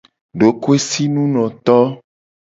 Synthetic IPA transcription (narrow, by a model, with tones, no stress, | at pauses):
ɖo˨ko˦e˦si˦nũ˦nɔ̃˨t̪ɔ˦